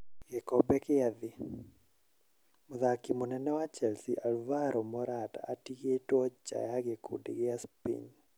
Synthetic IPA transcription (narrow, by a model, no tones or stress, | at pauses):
ɡɛkɔbɛkɪad̪ɪ | mʊðakimɔnɛnɛwat͡ʃɛlsiʔalvaɾʔɔmɔɾata̰ːtiketɔt͡ʃa̰jaɡekʰṵdɪɡɪaspḭɲ